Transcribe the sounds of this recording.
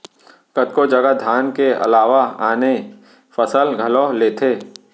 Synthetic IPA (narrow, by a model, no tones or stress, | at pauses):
kət̪̚kod͡ʒɐɡad̪ʱjaːnkeɐ̰laːʋaaːne | fəsəlɡʱɐlɔːɦleːt̪ʰeː